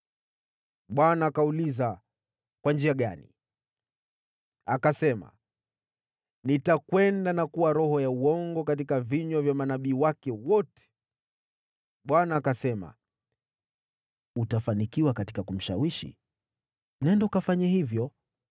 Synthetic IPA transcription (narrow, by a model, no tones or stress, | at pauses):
ɓwanaːkauliza | kwand͡ʒiaɠa̰nḭ | akasɛma̰ | nitakwɛndanakuwaɾɔhɔjauɔŋɡɔkat̬ikaviɲwavjamanaɓiːwakɛwɔtɛ̥ | ɓwanaːkasɛma̰ | utafanikiwakati̥kakum̩ʃawiʃḭ | m̩nɛndaukafaɲahivjɔ